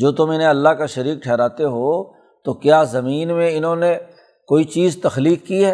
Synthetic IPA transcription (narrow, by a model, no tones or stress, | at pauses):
d͡ʒoːt̪ʊmɪnẽɐlːaɦkaʃɐɾiːk̚ʈʰɛːɾaːt̪eɦoː | t̪okjaːzɐmiːnmẽɪnɦõne | koːit͡ʃiːzt̪ɐxliːkːiɦɛː